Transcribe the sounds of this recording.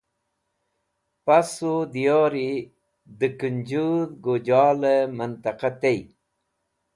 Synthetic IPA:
pasud̪ijoːɾi | d̪əkund͡ʑud̪ɡod͡ʑaːlemənt̪ɐqat̪ej

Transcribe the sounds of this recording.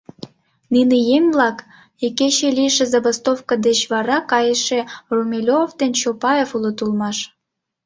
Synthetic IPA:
ninejemʲblɑk | ekeɕelʲiʃezɑbost̪ofkɑd̪et͡ɕβɑɾɑkɑjəʃerumʲelʲovd̪ent͡ɕopɑefulot̪ulmɑʃ

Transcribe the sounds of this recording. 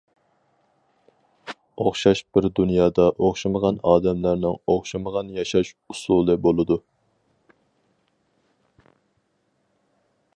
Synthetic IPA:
oχʃɑʃb̥ɪɾd̪unjɑːd̪ɑʔoχʃɑməʁɑnɑːd̪ɛmlæɾnɪŋoχʃɑməʁɑnjɑʃɑʃ | usulˠɨbolˠɨd̪u

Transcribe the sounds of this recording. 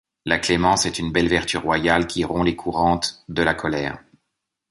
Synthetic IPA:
laklemɑ̃sɛt̪ynbɛlvɛʁt̪yʁːwajalkʲiʁɔ̃lekʰuʁɑ̃t̪d̪əlakʰɔlɛːʁ

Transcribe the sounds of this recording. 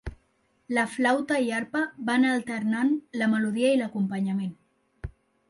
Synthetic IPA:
ləflawt̪aiaɾpaβanalt̪əɾnanləməluð̞iailəkumpəɲamen

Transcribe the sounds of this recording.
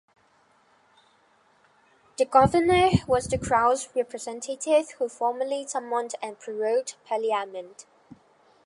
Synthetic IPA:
ðəɡʌvənəwɒzðəkʰɹ̥aʊzɹɛpʰɹəzɛ̃ntʰətʰɪv̥huːfɔːməlitʰʌmə̃ndə̃npʰɹ̥əɹoʊdpʰəliamə̃nd̥

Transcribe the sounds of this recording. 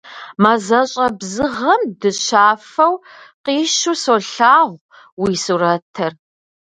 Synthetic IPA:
mazɐɕʼɐbzɨʁɐmdɨɕaːfɐw | qiːʃusoːɬaːʁʷ | wiːsuɾɐtʰɐr

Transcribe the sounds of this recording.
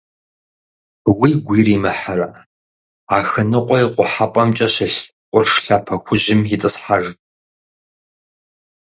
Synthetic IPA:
wijɡʷiːriːmɐħarɐ | aːxɨnɨqʷʼɔjqʷʼʊħapʼɐmt͡ʃʼɐɕɪɬ | qʷʊrʂɬaːpʰɐxʷʊʑɪmjitʼɨsħaʒ

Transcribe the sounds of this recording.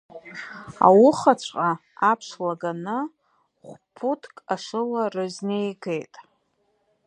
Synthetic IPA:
a̰wʊχat͡ɕʷʰʼqʼaapʰʂlaɡanɨ | χʷpʰutʰkʼaʂɨlarɨznejɡe̞jtʼ

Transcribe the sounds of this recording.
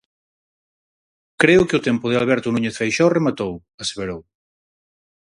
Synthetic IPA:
kɾeʊkeʊt̪empʊð̞ealβɛɾt̪ʊnuɲeθfejʃɔremat̪ow | aseβeɾow

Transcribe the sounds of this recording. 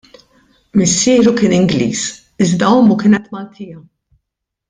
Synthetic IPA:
mɪsːɪːɾukɪːnɪŋɡlḭːs | ɪzd̪ɐɔmukɪːnɛt̪mɐlt̪ʰɪːjɐ

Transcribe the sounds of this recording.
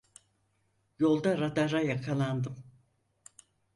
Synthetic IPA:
jo̞lˠd̪aɾad̪aɾajakʰalˠand̪ɯm

